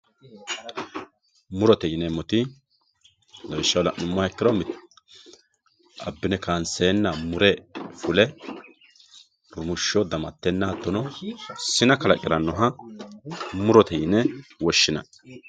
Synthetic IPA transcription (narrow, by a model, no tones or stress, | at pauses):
mʊɾɔt̪ɛjɪnɛmɔt̪ɪ | lɐwɪʃːɐwlɐ̰ʔnʊmːɔhɛkːɪɾɔmɪt̪ | ɐ̰bːɪnɛkaːnseːnːɐmʊɾɛfʊlɛ | ɾʊmʊʃːɔd̪ɐmɐt̪ːɛnːaːt̪ːɔnɔsɪnɐkɐlɐ̰kʼɪɾɐnːɔɦɐ | mʊɾɔt̪ʰɛjɪnɛwɔʃːɪnɐ̰